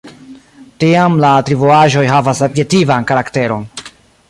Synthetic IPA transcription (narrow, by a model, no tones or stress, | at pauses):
tiamlatɾivoaʒo̞jɦavasobje̞tivankaɾakte̞ɾo̞n